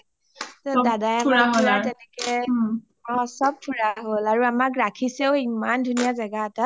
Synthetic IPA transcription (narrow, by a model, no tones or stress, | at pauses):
tɔdadajakaɦolatɛnɛkɛ | ɔsɔb̚pʰuɹaɦolaɹuamakɹakʰisɛʊimandʱunijazaɡaːta